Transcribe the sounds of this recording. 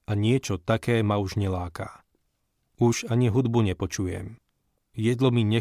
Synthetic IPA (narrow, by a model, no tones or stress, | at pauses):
ʔaɲɪɛt͡ʃɔt̪akɛːmauʒɲɛlaːka̰ | uʒaɲiɦud̪buɲɛpɔt͡ʃujɛ̰m | jɛd̪lɔmiɲɛ